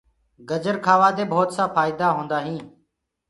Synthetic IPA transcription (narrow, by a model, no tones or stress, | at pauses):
ɡəd͡ʒəɾkʰaːʋaːd̪eːbʱoːt̪saːfaːɪd̪aːɦõːnd̪aːɦĩː